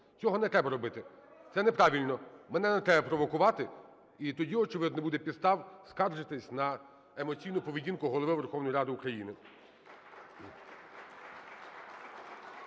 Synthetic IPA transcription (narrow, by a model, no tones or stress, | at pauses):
t͡sʲɔɦɔnɛt̪ɾɛbɐɾɔbɪt̪ɪ | t̪sɛnɛpɾɑʋʲilʲnɔmɛnɛnɛt̪ɾɛbɐpɾɔʋɔkʊʋɑt̪ɪ | it̪ɔdʲiɔt͡ʃɪʋɪd̪nɔbud̪ɛpʲist̪ɑwskɑrʒɪt̪ɪsʲnɐ | emɔt͡sʲijnʊpɔʋʲidʲinkʊɦɔlˠɔʋɪʋerxɔʋnɔjɾɑd̪ɪʊkɾɐjinɪ